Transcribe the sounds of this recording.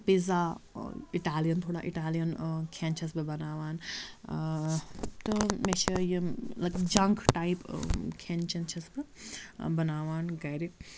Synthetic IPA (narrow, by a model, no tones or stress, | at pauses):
pizaːiʈaːlijɐnt̪ʰoːɽa̰ːʔiʈaːlijɐnkʰent͡ʃʰɐsbɐbɐnaːʋaːn | t̪ɨmet͡ʃʰɐjilɐkd͡ʒɐŋkʰʈaipkʰent͡ʃʰɐnt͡ʃʰɐsbɐbɐnaːʋaːnɡɐjɾi